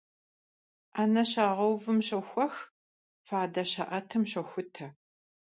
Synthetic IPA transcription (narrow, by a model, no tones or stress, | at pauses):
anɐɕaːʁɐwvɨmɕɐxʷɔx | faːdɐɕɐ̰ʔɐtʰɨmɕɐxʷʊtʰɐ